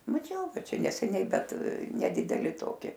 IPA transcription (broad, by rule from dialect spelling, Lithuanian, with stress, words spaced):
mɐˈt͡ʃʲɛʊ ˈbʲɛt ˈt͡ʃʲɛ nʲɛsʲɛˈnʲɛɪ ˈbʲɛt nʲɛˈdʲɪdʲɛlʲɪ ˈtoːkʲɪ